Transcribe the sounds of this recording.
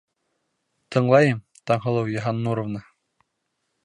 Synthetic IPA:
t̪ʰɤ̆ɴlˠɑjɤm | t̪ɑɴɦɤ̆lˠɤwjɤ̆ɦɑnːuɾŏvnɤ

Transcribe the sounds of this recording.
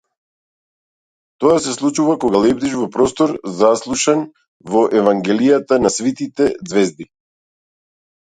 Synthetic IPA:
t̪ɔasɛslˠut͡ʃuvakɔɡalɛbd̪iʃvɔpɾɔst̪ɔɾzaslˠuʃan | vɔʔɛvaŋɡɛlijat̪anasvit̪it̪ɛd̪zvɛzd̪i

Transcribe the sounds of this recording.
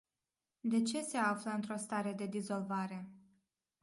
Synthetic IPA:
d̪e̞t͡ʃe̞se̞afləɨnt̪ɾo̞st̪aɾe̞d̪e̞d̪izo̞lvaɾe̞

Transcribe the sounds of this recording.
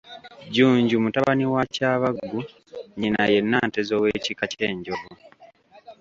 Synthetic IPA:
ɟuːɲɟumutaβaniwacaːβaɡːu | ɲinaje̞nːaːnte̞zowe̞ːcikace̞ːɲɟo̞vo

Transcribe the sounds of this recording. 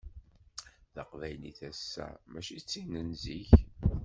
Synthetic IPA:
θəqvæjniθæsːæ̰mæʃit͡sːinənziç

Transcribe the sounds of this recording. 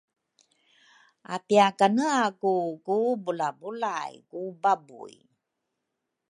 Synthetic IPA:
apiakanəakukubulabulajkubabṵj

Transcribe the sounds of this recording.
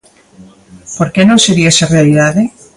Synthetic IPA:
poɾkenõŋseɾiaesɐrealiðaðɪ

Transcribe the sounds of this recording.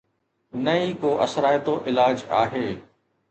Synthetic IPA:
nɐikoːʔɐsɾaːjt̪oʔɪlaːd͡ʒa̰ːɦeː

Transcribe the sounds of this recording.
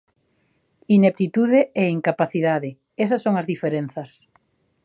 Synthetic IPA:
inek̚t̪it̪uðeɛiŋkapaθiðaðɪ | ɛs̬ɐsːoŋɐzðifeɾen̟θɐs

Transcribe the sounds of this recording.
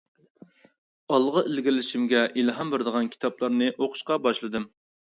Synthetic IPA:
ɑlˠʁəʔelɡʲɪlɪʃimɡʲɛʔilˠɦɑmbɪɾd̪əʁɑnkʲʰi̥t̪ʰɑplˠɑɾnɨʔoqʰʊ̥ʃqɑbɑʃlˠɨd̪ɨm

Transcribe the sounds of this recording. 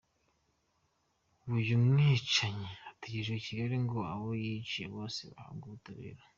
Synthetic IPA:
uβujumŋiːt͡ʃaɲeatiɟiʒeweciɾeɾeŋɡo̞a̰βojit͡ʃieβo̞ːsḛβa̰ha̰ŋɡuβutaβḭːɾa

